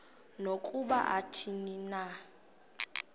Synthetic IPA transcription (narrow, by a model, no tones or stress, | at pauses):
nokʼuɓa̰ʔatʰinina